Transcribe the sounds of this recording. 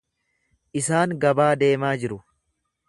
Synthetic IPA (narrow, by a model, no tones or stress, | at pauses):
ʔɪsaːŋɡɐbaːd̪e̞ːmaːd͡ʒɪɾʊ